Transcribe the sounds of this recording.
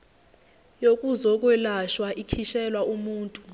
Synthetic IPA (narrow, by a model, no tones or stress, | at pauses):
jokʼuzɔk̬ʼwɛlaʃwaʔikʰiʃɛlwaumuːntʼu